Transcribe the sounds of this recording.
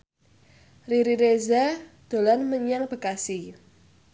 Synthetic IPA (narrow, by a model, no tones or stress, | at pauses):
riɾiɾezad̪̥o̤lanməɲaŋb̥ə̤kasi